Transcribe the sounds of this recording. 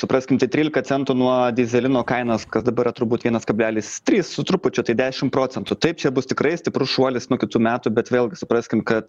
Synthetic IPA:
sʊpɾɐsʲkʲɪmt̪ɐɪt̪ʲɾʲiːlʲɪkɐt͡s̪ʲɛnt̪uːnuɔd̪ʲɪzʲɛlʲɪnoːkɐɪnɐːskɐsd̪ɐbɐɾɪrɐt̪ʊbuːt̪ʋʲiɛnɐskɐbʲlʲæːlʲiːst̪ʲɾʲiːssʊt̪ɾʊpʊt͡ʃʲʊt̪ɐɪd̪ʲæːʃʲɪmpɾoːt͡sʲɛnt̪ʊt̪ɐɪp̚t͡ʃʲɛbʊst̪ʲɪkɾɐɪsʲt̪ʲɪpɾʊʃuɔlʲɪsnuɔkʲɪt̪uːmʲæːt̪ubʲɛt̪ʋʲeːlˠʲɡʲɪsʊpɾɐsʲkʲɪmkɐt̪

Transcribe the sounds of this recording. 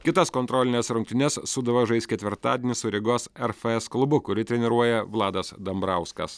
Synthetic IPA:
kʲɪt̪ɐskɔːnt̪ɾɔːlʲɪnʲeːsɾʊŋk̚t̪ʲɪnʲɛsːʊd̪ɐʋɐʒɐɪsʲkʲɛt̪ʲʋʲɪɾt̪ɑ̰ːd̪ʲeːnʲɪsʊɾʲɪɡoːsɛɾfɐɛsklˠʊbʊkʊɾʲɪt̪ʲɾʲɛnʲɪɾuɔjɛʋlˠɑːd̪ɐsd̪ɐmbɾɐʊskɐ̰s

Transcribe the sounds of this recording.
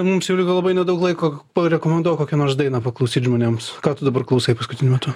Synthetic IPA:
mʊmsjɛʊlʲɪkolˠɐbɐɪnʲɛd̪ɐʊklˠɐɪkoːpɐɾʲɛkoːmʲɛnd̪uɔjkoːkʲɛnoːrsd̪ɐɪnɑpɐklˠɐʊsʲiːt̪ʲʒmoːnʲeːmskɑːt̪ʊd̪ɐbɐrklˠɐʊsɐɪpɐskʊt̪ʲɪnʲʊmʲɛt̪ʊ

